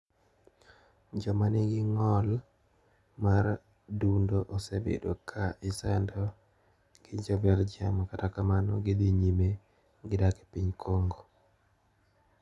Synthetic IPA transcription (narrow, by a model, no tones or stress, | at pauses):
d͡ʒɔmanɪɡɪŋɔl | mar | dundoʔɔsebḛdokʰaʔɪsɛndɔ | ɡ̥ɪd͡ʒɔbɛld͡ʒiamakatakamanɔɡɪd̪iɲime | ɡɪdake̥piɲkʰoŋɡo